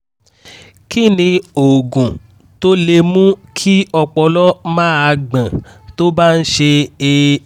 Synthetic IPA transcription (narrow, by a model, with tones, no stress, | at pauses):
ki˦nĩ˧o˨ɡũ˨ | to˦le˧mũ˦kʰi˦ɔ˧k͡pɔ˧lɔ˦mãː˦˨a˧ɡ͡bã˨to˦ba˦n̩˦ʃe˧e˧